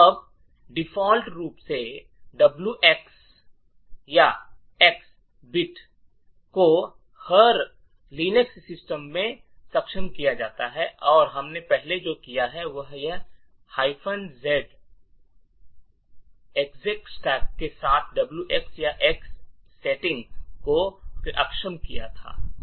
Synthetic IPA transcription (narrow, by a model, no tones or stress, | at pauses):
ɐb | ɖɪfɔːlʈɾuːpse | ɖɐbljuʔeks | ja | eks | bɪʈ | ko | hɐɾ | liːnəksːɪsʈəmːẽ | sɐkʃənkijad͡ʒa̰ːt̪aɦɛʔɔːɾɦɐmnepɛɦled͡ʒoːkijaɦɛʋɐɦjɐ | haːɪpʰənzɛːɖ | ekzek̚sʈɛːkːesaːt̪ʰɖɐbljuʔeksjaʔɛksː | eːʈɪ̃ŋɡkoʔɐ̰kʃəmkija̰t̪ʰa̰ː